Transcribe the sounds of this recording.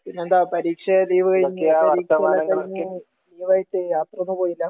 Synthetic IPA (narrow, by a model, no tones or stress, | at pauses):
pinːend̪aːpɐɾiːkʂɐliːʋɨɣɐjkːeaʋɐɾirːkt̪ɐmaːɐɳɐŋɡɐɭkːu | liːʋaːjiʈːɨjaːt̪rɐonːupoːjilːɐ